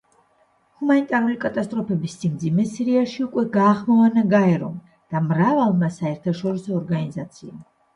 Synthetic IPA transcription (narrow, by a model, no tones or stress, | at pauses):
humanit̪ʼaɾulikʼat̪ʼast̪ʼɾɔpʰɛbisːimd̪zimɛsiɾiaʃiukʼwɛɡaːχmɔvanaɡaɛɾɔ̰m | d̪̥amɾavalˠmasaɛɾt̪ʰaʃɔɾisɔːɾɡanizat̪sʰiam